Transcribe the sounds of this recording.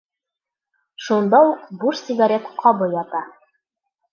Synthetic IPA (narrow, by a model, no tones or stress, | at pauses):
ʃund̪ɑuqbuʃsʲɪɡaɾʲet̪qʰɒbɤjɒt̪ɑ